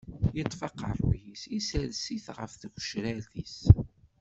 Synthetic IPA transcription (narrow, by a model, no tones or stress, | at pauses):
jət̪ˤːfɑqə̰rˤjisisælsiθʁə̰fθʝʷʃɾælθis